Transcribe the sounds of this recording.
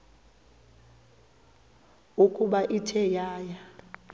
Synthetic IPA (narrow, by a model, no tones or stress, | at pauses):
ukʼuɓaʔitʰɛjaːja